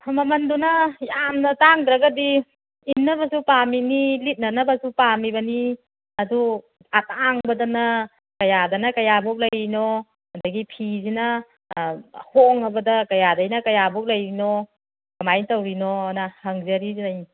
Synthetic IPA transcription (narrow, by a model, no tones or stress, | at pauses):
mɐmɐndunɐjamnɐtaŋdɾaɡadi | inːɐbɐsupaminilit̚nɐnɐbɐsupamibɐni | ɐdu | ataŋbɐdanɐ | kɐjadɐnɐkɐjabɔk̚lɐjinɔ | hɐndaɡipʰizinɐ | hoŋɐbɐdɐkɐjadɐjnɐkɐjabɔk̚lɐjinɔ | kɐmajntɐwɾinɔnahɐŋzɐɾizinaj